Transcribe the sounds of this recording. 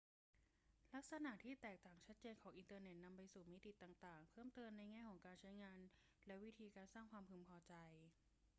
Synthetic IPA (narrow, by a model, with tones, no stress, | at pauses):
la˦˥k̚sa˧na˨˩ʔt̪ʰiː˥˩t̪ɛː˨˩k̚t̪aː˨˩ŋt͡ɕʰa˦˥t̪̚t͡ɕeː˧nkʰɔː˩˦ŋʔi˧nt̪ɤː˧ne˨˩t̪̚na˧mpa˧jsuː˨˩mi˦˥t̪i˨˩t̪ːaː˨˩ŋt̪aː˨˩ŋpʰɤː˥˩mt̪ɤː˧mna˧jŋɛː˥˩kʰɔː˩˦ŋkaː˧nt͡ɕʰa˦˥jŋaː˧n | lɛ˦˥wi˦˥t̪ʰiː˧kaː˧nsaː˥˩ŋkʰwaː˧mpʰɯ˧mpʰɔː˧t͡ɕa˧j